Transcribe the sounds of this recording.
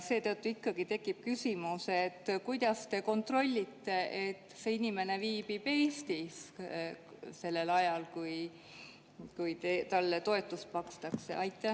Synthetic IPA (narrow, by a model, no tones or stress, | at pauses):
se̞ːt̪ɤt̪ːuikːɑɡ̥it̪e̞kːˑip̚kysimuse̞t̪ːkujd̪ɑst̪e̞ko̞nt̪ro̞lʲːit̪ːe̞ʔet̪ːˑse̞inime̞ne̞viːb̥ipe̞ːst̪is | se̞lːe̞lɑjɑlkuj | kujt̪et̪ɑlːt̪o̞e̞t̪ːˑust̪̚pɑkst̪ɑksḛʔɑjt̪ːˑe